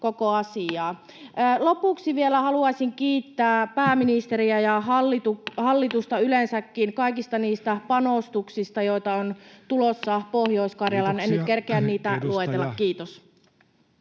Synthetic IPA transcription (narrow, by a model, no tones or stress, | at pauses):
kokoɑsiɑː | lopuksiʋielæhɑluɑsiŋkiːt̪ːæːpæːminist̪eɾiæjɑɦɑlːit̪uhɑlːit̪ust̪ɑylensækːiŋkɑikist̪ɑniːst̪æpɑnost̪uksist̪ɑjoit̪ɑont̪ulosːɑpohjoiskɑrjɑlɑnenykerkeænniːt̪æluet̪elːɑkːkiːt̪os